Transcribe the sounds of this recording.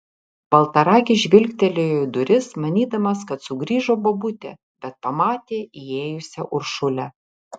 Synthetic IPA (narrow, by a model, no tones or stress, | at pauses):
b̥ɐlˠt̪ɐɾɑːkʲɪʒʲʋʲɪlʲkʲt̪ʲɛlʲɪjojd̪ʊɾʲɪsmɐnʲiːd̪ɐmɐskɐt̪sʊɡɾʲiːʒoːbobʊt̪ʲɛ̰ː | bʲɛt̪̚pɐmɑːt̪ʲeːieːjʊsʲɛʔʊɾʃʊlʲɛ